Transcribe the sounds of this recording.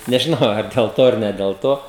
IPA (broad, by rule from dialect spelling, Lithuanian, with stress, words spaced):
nʲɛʒʲɪˈnɐʊ ɐr dʲɛlˠ ˈtoː ɐr nʲɛ dʲɛlˠ ˈtoː